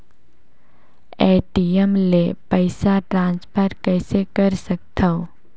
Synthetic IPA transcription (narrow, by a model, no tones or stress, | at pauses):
eːʈiəmlepəɪsaʈɾãːnspʰəɾkɛːsekəɾsək̚t̪ʰə